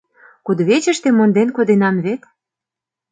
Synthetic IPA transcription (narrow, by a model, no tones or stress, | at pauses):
kud̪βet͡ɕə̆ʃt̪emond̪enkod̪enɑmβet̪